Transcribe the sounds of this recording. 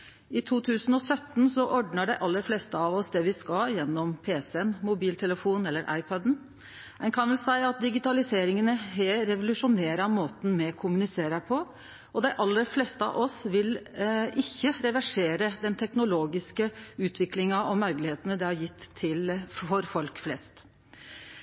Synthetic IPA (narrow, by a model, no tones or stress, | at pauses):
ɪt̪ʰuːt̪ʰʉːsənɔsœt̪ːn̩sɔʔɔɖnəɖæɪʔɑlːəɾfleːst̪əɑʋɔsd̪ɛʋɪskɑljɛnːɔmpʰeːsɛɛnmʊbiːlt̪ʰɛləfuːnɛlːəɾʔɑ̰ɪpʰɔd̪n̩ | ɛnkʰɑnʋɛlsæɪɑt̪̚d̪ɪɡɪt̪ɑlɪseːɾɪŋənəɦɛɾɛʋʊlʉʂʊneːɾɑmoːt̪n̩mɛkʰʊmʉnɪseːɾəpʰɔ | ɔd̪æɪʔɑlːəɾflɛːst̪əɑ̰ʔɔsʋɪlɪçːəɾɛʋæʂeːɾəd̪ɛnt̪ʰɛknʊloːɡɪskəʉːt̪ʰʋɪklɪŋɑɔmœɾklɪheːt̪ənəd̪ɛhɑɾjɪt̪ʰːɪlɔɾfɔlkflɛst̪